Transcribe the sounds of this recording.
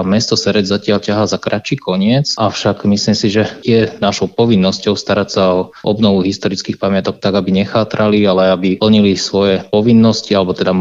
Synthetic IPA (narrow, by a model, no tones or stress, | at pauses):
mɛst̪ɔsɛɾɛd͡zzacɪalcaɦazakɾat͡ʃiːkɔɲɪɛt͡sʔaʊʃakmisliːmsiʒɛɛnaʃɔʊpɔʋinːɔscɔʊst̪aɾacsaɔʔɔ̰bnɔʋuɦist̪ɔɾit͡skiːxpamɪat̪ɔk̚t̪aɡabiɲɛxaːt̪ɾalialɛabil̩ɲilisʋɔjɛpɔʋinːɔscialɛbɔt̪ɛd̪a